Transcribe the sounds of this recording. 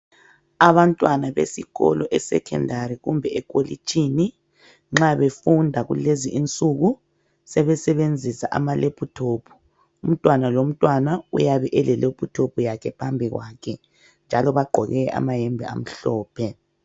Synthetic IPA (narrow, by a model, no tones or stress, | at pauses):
aβantʼwanaβḛsiɣɔ̰lɔʔɛsɛ̰kʰɛ̰ndʱaɾiɣumbʱɛɛkʼolḭt͡ʃʼini | ŋ͡ǁaβefundʱaɣṵleziint͡sʼuɣu | sɛβɛsɛβend͡zʱisa̰ʔa̰malepʰutʰoːpʰu̥ | um̩tʼwanalom̩tʼwanaṵjaβɛʔɛlɛlepʰutʰopʰujakʰɛpʰambʱiɣwaːkʰɛ | nd͡ʒʱalɔβaɡ͡ǃʱɔɣɛʔa̰maɦɛmbʱia̰m̩ɬɔːpʰɛ